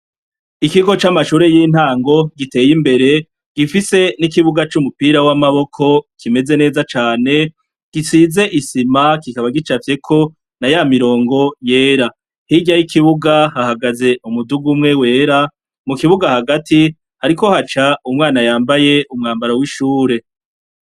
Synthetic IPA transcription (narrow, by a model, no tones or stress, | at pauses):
ikiɡo̞t͡ʃamaʃuːɾe̞jiːn̥haːŋɡo̞ɡite̞ːjimbe̞ɾe̞ | ɡ̥ifise̞nikiβuɡat͡ʃumupiɾawamaβo̞kʰo̞kʰime̞ze̞ne̞ːzat͡ʃaːne̞ | ɡ̥isize̞ʔisimakikaβaɡit͡ʃafje̞kʰo̞ | najaːmiɾo̞ːŋɡo̞je̞ːɾa | hiɟajikʰiβuɡahahaɡaze̞ʔumuduɡumŋe̞we̞ːɾa | mukiβuɡahaɡati | haɾiko̞hat͡ʃaumŋaːnajaːmbaje̞ʔumŋaːmbaɾawiʃuːɾe̞